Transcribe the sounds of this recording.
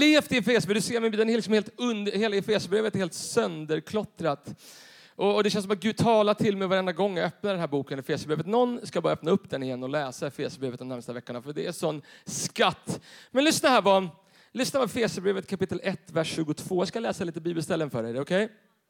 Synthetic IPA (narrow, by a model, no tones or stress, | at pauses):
leːft̪ɪɛfeːsəbed̪seːɾmɪnbiːd̪ɛnæɾɾlɪksɔmheːlt̪ɵnd̪heːlaɛfeːsəbɾeːvət̪heːlt̪sœnd̪əɾkʰlɔt̪ɾat̪ | ʔɔɔd̪ɛʃɕɛnsɔmat̪̚ɡʉ̟ːd̪̚t̪ʰɑːlaʈʰɪlmɛjvaɾɛnd̪aɡɔŋːjaœpnad̪ɛnɦæːɾbuːkənɛfeːsəbɾeːvət̪nɔnːskajbɑːaœp̚naɵpːd̪ɛnɪjɛnːɔlɛːsaɛfeːsəbɾeːvət̪d̪ɔmæɾmst̪avɛkːʊɳafœɖɛæʂɔnːskat̪ːmɛnlʏsnaɦæːɾva | lʏsnavaɛfeːsəbɾeːvət̪kʰapɪt̪ːəlʔɛt̪ːvæʂːʉ̟ːɡʊt̪ʰv̥oːjɑːskalɛːsaliːt̪əbiːbəlst̪ɛlːənfœːɖɛd̪ɛɔkʰɛj